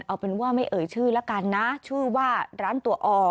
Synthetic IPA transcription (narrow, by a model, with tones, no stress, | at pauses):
nʔa˧wpe˧nwu˥˩əma˥˩jʔɤː˨˩jt͡ɕʰɯː˥˩lɛ˦˥ka˧nːa˦˥t͡ɕʰɯː˥˩waː˥˩ɾaː˦˥nt̪u˧˩ɐʔɔː˧